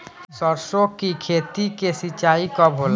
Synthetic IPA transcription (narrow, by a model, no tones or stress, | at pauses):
sɔɾsokikʰeːt̪ikesit͡ʃaːikɔbʱol